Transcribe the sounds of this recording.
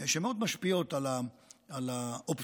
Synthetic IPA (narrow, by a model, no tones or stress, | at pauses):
ʃemeo̞d̪maʃpio̞t̪alaalaop